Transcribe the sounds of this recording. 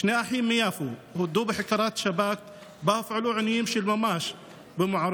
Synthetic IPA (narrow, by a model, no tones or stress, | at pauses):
ʃneːʔaħiːmːɪjaːfuhʊd̪uːbɪħɪkɑːɾˤɑːt̪ʃabaːk̚ | baːfʕʊluʕɪnːujɪmʃilmamaːʃ | bɪmʊʕɑɾˤ